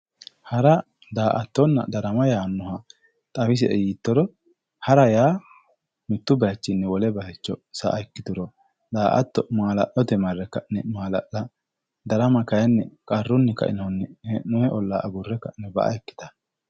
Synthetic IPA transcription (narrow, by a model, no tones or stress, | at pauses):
hɐɾɐ | d̪aːʔɐt̪ːɔnːɐ̰d̪ɐɾɐmɐjaːnːɔhɐ | t̪ʼɐfɪs̬ɪʔɛjiːt̪ːɔɾɔ | hɐɾɐjaː | mɪt̪ːʊbɐjɐt͡ʃːɪnːɛwɔlɛbɐhɛt͡ʃːɔsɐ̰ʔɐɛkːɪd̪ʊɾɔ | d̪aːʔɐ̰t̪ːɔmaːlɐ̰ʔɔt̪ɛmɐrːɛkːɐʔnɛmaːlɐ̰ʔɐ | d̪ɐɾɐmɐkɐjɛnːɛkʼɐrːʊnːɛkɐ̰ʔɪ̰nɐwnːɛhɛmɔjɛʔɔlːaːʔɐɡʊrːɛkːɐʔnɛbɐ̰ʔɐ̰ɛkːɪ̥t̪ɐ̥